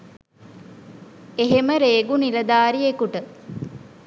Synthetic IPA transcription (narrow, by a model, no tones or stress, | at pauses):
eɦeməɾeːɡuniɾɐd̪aːɾiekuʈə